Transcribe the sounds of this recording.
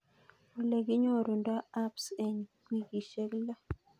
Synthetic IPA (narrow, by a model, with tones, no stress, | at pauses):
o˨le˨ɡɪ˦ɲɔ˦˨ɾo˨nda˦a˦pse˨ɲkwi˦ɡi˨ʃe˦kla˦